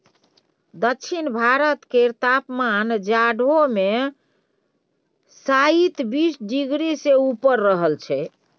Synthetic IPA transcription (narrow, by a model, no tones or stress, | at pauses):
d̪əkːt͡ʃʰinbʱaɾət̪keɾt̪apmand͡ʒaɖome | sait̪bisɖiɡɾiseupəɾːəɦəlt͡ʃʰɛ